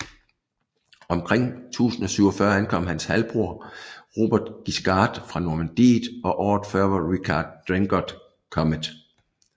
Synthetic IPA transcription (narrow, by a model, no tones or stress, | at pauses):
ɒ̽mkʰʁeŋ̰t͡sʰṵːsn̩ɒ̽syʊɒfɶːɐænkʰɒ̽m̰hænshælb̥ʁuɐ̰ʁo̝̰ːb̥ɛd̥ɡ̥isɡ̥ɑ̈ːd̥fʁɑ̈noɐmænd̥ḭːðˠɒ̽ʔɒ̰ːd̥fɶɐʋɑʁikʰɑd̥ːʁeŋɡ̥ɒd̥ | kʰɒ̽məd̥